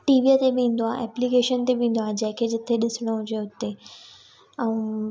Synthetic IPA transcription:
ʈiːʋiət̪ebɪĩːn̆d̪oaːɦḛʔɛːplikeːʃənt̪ebĩːn̆d̪oaːɦd͡ʑɐ̃ɦɪ̃kʰed͡ʑɪt̪ʰeɗɪsɽ̃oɦʊ̃d͡ʑeʊt̪e | ɛ̃

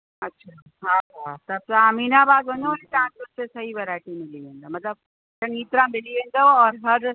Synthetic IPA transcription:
ɐtːɕʰa | ɦaat̪ɐb̚saːmiːnabaːd̪ɦõɲõlit̪ãːʊɾsesɐɦiʋɐɾaɪʈimɪliẽnd̪amɐt̪ləb̚ | sɐ̃ŋɡiːt̪ɾãmɪliʋẽnd̪oɔːɾɦɐɾ

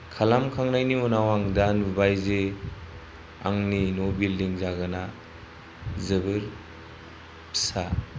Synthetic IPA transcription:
kʰalamkʰaŋnajnimɔnawaŋdanubajze | a̰ŋninɔbildiŋzaɡana | zɯbɯɾ | pʰsa

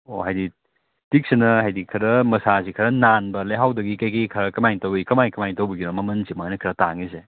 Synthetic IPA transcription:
ohajdi | tik̚sinɐhajdikʰɐɾɐmɐsazikʰɐɾɐnanbɐleɦawdɐɡikajkikʰɐɾɐkɐmajtɐwikɐmajkɐmajntɐwbɐɡiɾɔmɐmɐnsimajnɐkʰɾɐtaŋise

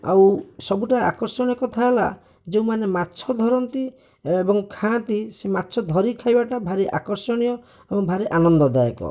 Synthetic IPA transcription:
a̰wsɔbuʈaa̰kɔɾsɔɽ̃ijɔkɔt̪ʰaɦela̰ | d͡ʒeũmanematːt͡ʃʰɔd̪ʱɔɾɔnt̪i | ebɔŋkʰãt̪isemat̪ːt͡ʃʰɔd̪ʱɔɾikʰajbaʈabʱaɾiʔa̰kɔɾsɔɽ̃ijɔ | ebɔŋbʱaɾiʔanɔnd̪ɔd̪ajɔkɔ̰

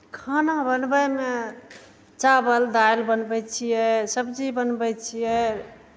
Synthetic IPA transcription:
kʰanabənbəjme | t͡ʃabəld̪ajlbənbɛjt͡ʃʰijɛsəbd͡ʒibənbɛt͡ʃʰijɛ

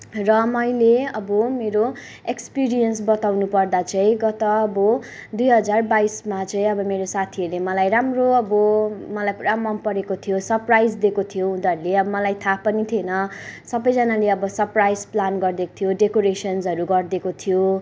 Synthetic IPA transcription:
rʌmʌjleʌbʌmeɾo | ekspiɾijʌnsbʌt̪awnupʌrd̪at͡sʌĩɡʌt̪ʌːbʌ | d̪ujɦʌd͡zarbaismat͡sʌĩʌbʌmeɾosat̪ʰiʌɾlemʌlajramroʌbʌmʌlajramʌmpʌɾekot̪ʰijosʌrprajd͡zd̪ekot̪ʰijoɦũd̪ʌɾuleʌbʌmʌlajt̪ʰapʌnit̪ʰienʌsʌbʌjd͡zʌnaleʌbʌsʌrprajd͡zplanɡʌrd̪eko̥t̪ʰjoɖekoɾesʌnsʌɾuɡʌrd̪ekot̪ʰijo

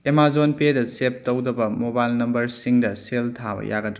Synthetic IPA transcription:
temazonpedɐsep̚towdɐbɐmobajlnɐmbɐɾsiŋdɐseltʰabɐ̰ja̰ɡɐd

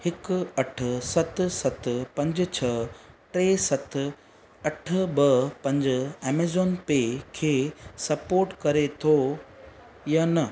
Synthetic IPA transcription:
hɪkɐʈ̆ʰsɐt̪sɐt̪pɐ̃ɲd͡ʑt͡ɕʰɐ | ʈɾeːsɐt̪ʰ | ɐʈʰbɐpɐ̃ɲd͡ʑʊ̆ɛːmeːzoːnpekʰeːsɐpoːɾʈkɐɾet̪ʰo | janɐ

